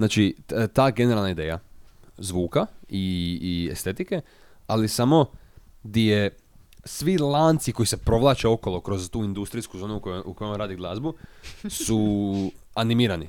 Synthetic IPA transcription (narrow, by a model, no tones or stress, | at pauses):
znaːt͡ʃit̪aːɡe̞neɾalˠnaid̪e̞ːja̰zʋuːkaiḛst̪e̞t̪ike̞ | alisamo̞ | ɡd̪ije | sʋilˠaːnt̪siko̞jise̞pɾo̞ʋlˠaːt͡ʃeo̞ko̞lokɾo̞zt̪uːind̪ust̪ɾiskuzo̞ːnukukojomaɾaːd̪iɡlˠazbusu | animiːɾanḭ